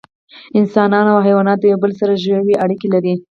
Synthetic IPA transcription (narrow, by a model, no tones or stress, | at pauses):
ɪnsɑnɑnawɦajwɑnɑt̪ojawbəlsaɾaʒawiʔaɽikelaɾi